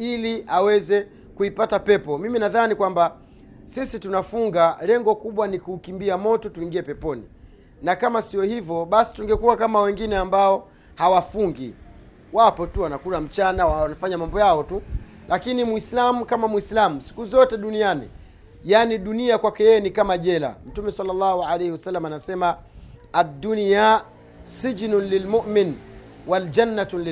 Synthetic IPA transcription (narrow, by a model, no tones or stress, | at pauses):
iliʔawɛzɛ | kuipatapɛpɔmiminaðanikwamba | sisitunafuŋɡalɛŋɡɔkuɓwanikuːkimbiamɔtɔtuiŋɡiɛpɛpɔnḭ | nakamasiɔhivɔɓasi̥tuŋɡɛkuwakamawɛŋɡinɛambaɔ | hawafuŋɡḭ | wapɔtuwanakulam̩t͡ʃanawanafaɲamambɔjaɔtu | lakinimwislamukamamwislamusi̥kuzɔtɛɗunianḭ | janiɗuniakwakɛjɛjɛnikamaʄɛla̰m̩tumɛsalːalːahualɛjhiwasalːamaanasɛmaː | dːunja | sid͡ʒnlilmuʔmin | wald͡ʒanːatl